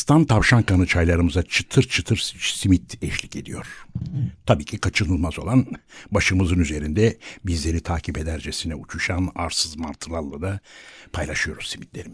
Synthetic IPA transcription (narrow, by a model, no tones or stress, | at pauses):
st̪ʰant̪ʰavʃankʰanɯt͡ʃʰajlˠaɾɯmɯzat͡ʃʰɯ̥t̪ʰɯɾt͡ʃʰɯt̪ʰɯɾsimit̪ɛʃlʲicʰed̪ḭjo̞ɾ̥t̪ʰabiːcʰikʰat͡ʃʰɯnɯlˠmazo̞̰lˠanbaʃɯmɯzɯnyze̞ɾind̪ɛbizlʲe̞ɾit̪ʰaːkʰiped̪æɾd͡ʒesinɛut͡ʃʰuʃana̰ɾsɯzmaɾt̪ʰɯlˠalˠːad̪apʰajlˠaʃɯjo̞ɾuz̥simit̪ʰlʲe̞ɾim